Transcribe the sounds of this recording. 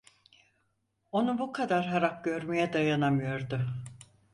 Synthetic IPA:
o̞nubukʰad̪aɾɦaɾak̚ɟø̞ɾmejɛd̪ajanamɯjoɾd̪ʊ

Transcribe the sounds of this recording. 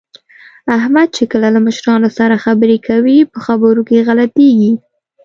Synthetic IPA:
ahmad̪̚t͡ʃekəlalaməʃɾɑnosaɾaxabəɾekʰawipəxabəɾokeɣalat̪eɡi

